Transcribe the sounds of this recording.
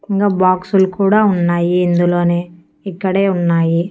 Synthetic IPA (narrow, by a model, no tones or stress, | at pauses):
ɪŋɡɐːbaːksʊlkuːɽaʊnːaːjiɪnd̪ɐloːne | ɛkːɐɽeːʊnːaːji